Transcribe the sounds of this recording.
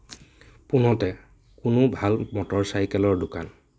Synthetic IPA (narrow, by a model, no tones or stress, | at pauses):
pʊnɔtɛ | kʊnʊbʱalmɔtɔɹsajkɛlɔɹdʊka̰n